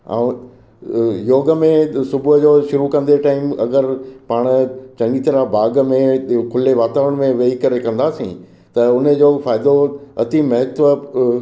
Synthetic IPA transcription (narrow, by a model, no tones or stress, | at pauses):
ã̰ːũ | joːɡəmẽsʊbʱʊɦəd͡ʑoːʃʊɾukɐ̃nd̪eʈaːɪmɐ̰ɡəɾpaːɽ̃t͡ɕɐ̃ŋɡit̪ɐɾabaːɡmẽkʰʊleʋaːt̪aːʋəɽ̃mẽʋeːikɐɾekɐ̃nd̪aːsḭ̃ | t̪ɐʊnəd͡ʑoːfaːɪd̪oɐt̪imɐɦɪt̪ʋə